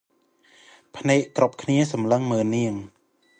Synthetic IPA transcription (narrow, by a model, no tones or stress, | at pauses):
pʰnɛːʔkɾup̚kʰniəsɑmləŋməːnːiəŋ